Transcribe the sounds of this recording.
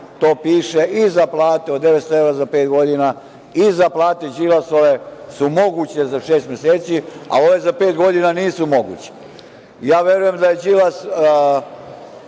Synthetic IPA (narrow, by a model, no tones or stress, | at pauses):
t̪oːpiːʃeʔizaplˠaːt̪eod̪d̪ːeʋet̪st̪oeɾazapeːt̪ɡo̞d̪ina | izaplˠaːt̪ed͡ʑilasoʋesumo̞ɡut͡ɕezaʃeːst̪mjeseːt̪sia̰o̞ʋe̞zape̞ːt̪ɡo̞d̪inaniːsumo̞ɡṵːt͡ɕe̥ | jaːʋje̞ɾuje̞md̪ajed͡ʒilas